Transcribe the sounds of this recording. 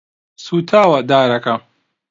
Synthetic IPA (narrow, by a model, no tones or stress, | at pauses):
suːt̪ʰaːwɐd̪aːɾɐkɐ